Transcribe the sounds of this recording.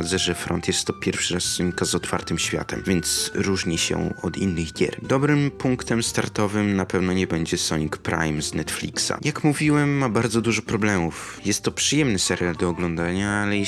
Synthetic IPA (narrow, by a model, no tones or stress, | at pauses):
d̪zɛʐɛfɾɔ̰nt̪jɛst̪ːɔpʲjɛɾfʂɘɾasːɔɲikazɔt̪fa̰ɾt̪ɘmɕfʲja̰t̪ɛ̰mvʲjɛnt̪sɾuʐɲiɕɛ̰ɔd̪inːɘɣɡʲɛ̰ɾd̪ɔbɾɘmpuŋkt̪ɛmst̪a̰ɾt̪ɔvɘmnapɛvnɔɲɛbɛɲd͡ʑɛsɔɲikpɾʔa̰jmznɛt̪flʲḭksa̰jakmuvʲiwɛmːabaɾd̪zɔd̪uʐɔpɾɔblɛmufjɛst̪ːɔpʂɘjɛmnɘsɛɾʲjald̪ɔːɡlɔnd̪aɲaalɛj